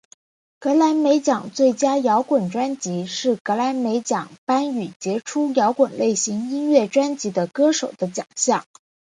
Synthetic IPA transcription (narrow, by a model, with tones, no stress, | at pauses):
kɤ˧˥la˧˥ɪme˧˥ɪt͡ɕjɑ˨˩ŋt͡swe˥˩ɪt͡ɕja˥jɑ˧˥ʊkwə˨˩nʈ͡ʂwa˥nt͡ɕi˧˥ʂɻ̩˥˩kɤ˧˥la˧˥ɪme˧˥ɪt͡ɕjɑ˨˩ŋpa˥ny˨˩t͡ɕjɛ˧˥ʈ͡ʂʰu˥jɑ˧˥ʊkwə˨˩nle˥˩ɪɕi˧˥ŋi˥nɥɛ˥˩ʈ͡ʂwa˥nt͡ɕi˧˥d̪ə˧kɤ˥ʂo˨˩ʊd̪̥ə˦t͡ɕjɑ̰˨˩ŋɕjɑ˥˩ŋ